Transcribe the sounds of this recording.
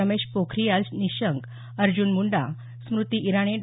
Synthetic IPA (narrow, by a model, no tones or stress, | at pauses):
əmeɕpokʰɾijalniɕəŋɡ | əɾd͡ʑunmuɳɖa | smɾut̪iʔːɾaɳ̃eɖ